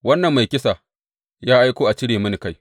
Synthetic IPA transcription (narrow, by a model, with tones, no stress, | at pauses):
wɐ˦nːɐ˨mːa˨jkʲɪ˦sa˨ | jaː˦ʔa˦jkʷoː˦ʔa˨t͡ʃɪ˦ɽeː˨mɐ˦ni˨ka˦j